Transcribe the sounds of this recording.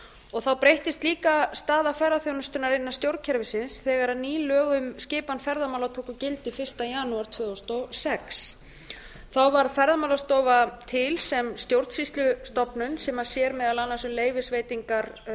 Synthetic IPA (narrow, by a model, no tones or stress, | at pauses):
ɔɣθawpɾejht̪ɪst̪liːkast̪aːðafajɾaθjownʏst̪ʏnaɾɪnːḁst̪jowɾcʰɛɾvɪsɪnsθɛːɣaɾaðniːlœːɣʏmscɪːpanfɛɾðamawlat̪ʰoːkʏcɪlt̪ɪfɪr̥st̪ajaːnuaɾ̥t̪ʰvʏːðɔst̪ɔsɛks | θawvaɾfɛɾðamawlast̪ɔːvat̪ʰɪlsɛmst̪jowɾt̪sist̪lʏst̪ɔpnʏnsɛmasjɛɾmɛːðalanːasʏmleːjvɪsveːjt̪iŋkaɾ̥